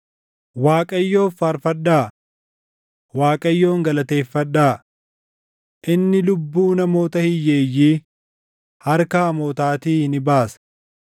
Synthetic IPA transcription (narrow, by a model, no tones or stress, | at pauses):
waːkʼɐjːo̞ːfːaːɾfɐᶑːaː | waːkʼɐjːo̞ːŋɡɐlɐt̪e̞ːfːɐᶑːaː | ʔɪnːɪlʊbːuːnɐmo̞ːt̪ɐhɪjːeːjːiː | hɐɾkaːmoːt̪aːt̪iːhɪnɪbaːs